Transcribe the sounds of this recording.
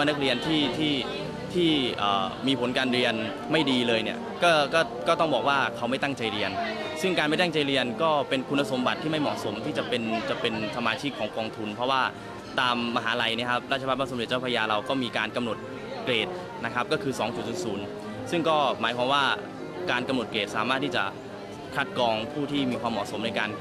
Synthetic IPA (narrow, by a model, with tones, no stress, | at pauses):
na˦˥k̚ɾi˧ənt̪ʰiː˥˩t̪ʰiː˥˩ | t̪ʰiː˥˩ʔə̰ː˨˩miː˧pʰo˩˦nkaː˧nɾi˧ən | ma˥˩jdiː˧lɤː˧jni˥˩ɐ | kɔː˥˩kɔː˥˩kɔː˥˩t̪ɔ˥˩ŋbɔː˨˩k̚waː˥˩kʰa˦˥wma˥˩jt̪a˥˩ŋt͡ɕa˧jɾi˧ən | sɯ˥˩ŋkaː˧nma˥˩t̪a˥˩ŋt͡ɕa˧jɾi˧ənkɔː˥˩pe˧nkʰu˧nːa˧so˩˦mba˨˩t̪ʰːiː˥˩ma˥˩jmɔ̰˨˩so˩˦mt̪ʰiː˥˩t͡ɕa˨˩pe˧nt͡ɕa˨˩pe˧nsa˧maː˧t͡ɕʰi˦˥˩kʰːɔː˩˦ŋkɔː˧ŋt̪ʰu˧npʰɾɔ˦˥waː˥˩ | t̪aː˧mːa˧ɦaː˩˦la˧jni˦˥ɐkʰa˦˥p̚ɾa˥˩t̪̚t͡ɕʰːa˧pːa˦˥pa˧˥˩so˩˦de˨˩t̚t͡ɕa˥˩pʰːjaː˧ɾa˧wkɔː˥˩miː˧kaː˧nka˧mno˨˩t̪̚ | kleː˨˩t̪̚ | na˦˥kʰp̚kɔː˥˩kʰɯː˧sɔː˩˦ŋt͡ɕu˨˩t͡ɕo˧˩nsuː˩˦n | sɯ˥˩ŋkɔː˥˩maː˩˦jkʰwaː˧mwaː˥˩ | kaː˧nka˧mno˨˩t̪̚kleː˨˩t̪̚saː˩˦maː˥˩t̪ʰːiː˥˩t͡ɕa̰˨˩ | kʰa˦˥t̪̚kɔː˧ŋpʰuː˥˩t̪ʰiː˥˩miː˧kʰwaː˧mɔ̰˨˩so˩˦mna˧jkaː˧n